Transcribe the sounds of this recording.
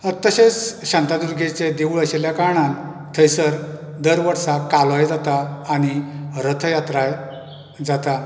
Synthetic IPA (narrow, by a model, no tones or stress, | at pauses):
ət̪ːəɕesɕãnt̪ad̪uɾɡʱet͡sed̪euɭəɕeljakaɳãn | t̪ʰəjsəɾ | d̪əɾʋəɾsakalɔjd͡zat̪aːñiɾət̪ʰəjat̪ɾaj | d͡zat̪a